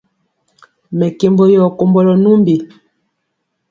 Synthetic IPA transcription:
mɛ˨ke˨mbɔ˦jɔ˨ko˨mbɔ˦lɔ˨nu˦mbi˨

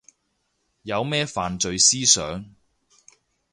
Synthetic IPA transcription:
jɐ˨˧wmɛː˥faː˨nt͡ʃɵ˨˧ɥsiː˥sœː˨˥ŋ

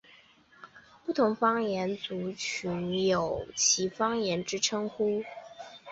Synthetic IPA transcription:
pu˥˩t̪ʰʊ˧˥ŋfɑ˥ŋjɛ˧˥nt͡su˧˥t͡ɕʰy˧˥njo˨˩ʊt͡ɕʰi˧˥fɑ˥ŋjɛ˧˥nʈ͡ʂɻ̩˥ʈ͡ʂʰɤ˥ŋxu˥

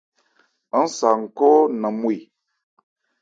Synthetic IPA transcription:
n̩˦sa˨ŋ̩˨ko˦nə˨mu˦i˨

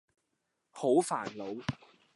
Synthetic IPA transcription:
ho˨˥wfa̰ː˨˩nlo˨˧w

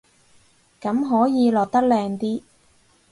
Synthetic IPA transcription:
kɐ˨˥mɦɔː˨˥jiː˨˧lɔː˨˩k̚t̪ɐ˥k̚lɛː˧ŋt̪iː˥

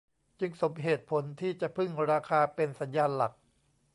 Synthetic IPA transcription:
t͡ɕɯ˧ŋso˩˦mɦeː˨˩t̪̚pʰo˩˦nt̪ʰiː˥˩t͡ɕa˨˩ʔpʰɯ˥˩ŋɾaː˧kʰaː˧pe˧nsa˩˦njaː˧nla˨˩k̚

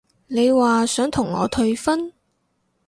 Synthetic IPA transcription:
ne˨˧jwaː˨sœː˨˥ŋt̪ʰʊ˨˩ŋːɔ̰ː˨˧t̪ʰɵ˧ɥfɐ˥n

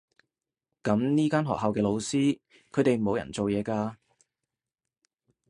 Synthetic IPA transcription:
kɐ˨˧˥mniː˥kaː˥nɦɔ̰ː˨k̚hɐ˨wkɛː˧lo˨˧wsiː˥ | kʰɵ˨˧jt̪e˨jmo˨˧wjɐ̰˨˩nt͡so˨wjɛː˨˧kaː˧

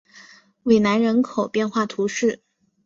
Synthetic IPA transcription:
we˨˩ɪna˧˥nɻə˧˥nkʰo˨˩ʊpjɛ˥˧nxwa˥˩t̪ʰu˧˥ʂɻ̩˥˩

